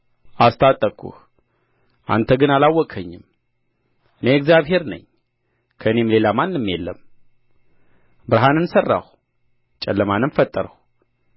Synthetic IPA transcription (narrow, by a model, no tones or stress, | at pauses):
ʔast̪ʰat̪ʼːəkʰṵh | ʔa̰nt̪ʰəɡɨnalawːɔkʼʰəɲːɪm | ʔɨneɨɡzjaβɦe̞ɾnə̰ɲ | kʰəɨne̞mle̞lamanːɨmːjelːəm | bɨɾɦanɨnsərːa̰h | t͡ʃʼɛlːəmanɨnfət̪ʼːəɾəh